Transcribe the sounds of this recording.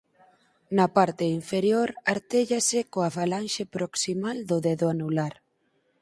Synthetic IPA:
napaɾt̪ɪiɱfeɾjoɾaɾt̪eʎasɪkoafalanʃepɾoksimald̪ʊðeðoanulaɾ

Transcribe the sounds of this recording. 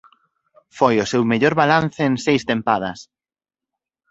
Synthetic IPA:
fojʊsewmeʎoɾβalanθeːŋsejst̪empað̞ɐ̰s

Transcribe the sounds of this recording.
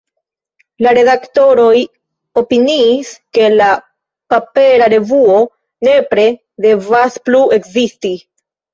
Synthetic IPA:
laɾe̞ðakto̞ɾo̞j | o̞piniːske̞la | pape̞ɾaɾe̞vuo̞ | ne̞pɾe̞ | de̞vasplue̞kzisti

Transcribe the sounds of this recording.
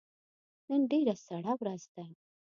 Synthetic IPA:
nənɖeɾasaɽawɾazd̪ajm

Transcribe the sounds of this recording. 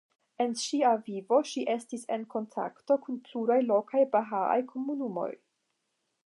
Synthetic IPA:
e̞nʃiavivo̞ʃiʔe̞stise̞nko̞ntʰa̰kto̞kunpluɾajlo̞kʰajbaɦaa̰jkʰo̞munumo̞̰j

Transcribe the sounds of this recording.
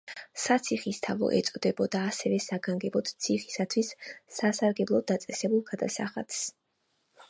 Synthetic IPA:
sat̪sʰiχist̪ʰavɔ̰ʔɛ̰t̪sʼɔd̪ɛbɔd̪aːsɛvɛsaɡaŋɡɛbɔt̪t̪sʰiχisat̪ʰwisːasaɾɡɛblˠɔd̪at̪sʼɛsɛbulˠɡad̪asa̰χa̰t̪s

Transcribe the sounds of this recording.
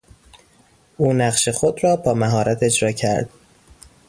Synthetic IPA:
ʔuːnæɢʃe̞xod̪ɾɒːbɒːmæɦɒːɾʔæt̪ʰe̞d͡ʒɾɒːcʰæ̰ɾd̪̥

